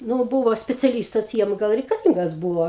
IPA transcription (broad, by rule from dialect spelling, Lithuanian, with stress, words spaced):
ˈnʊ ˈbuːʋoː sʲpʲɛt͡sʲɛˈlʲiːstɐs ˈjiɛm ˈɡɐlˠ rʲɛɪkɐˈlʲiːŋɡɐs ˈbuːʋoː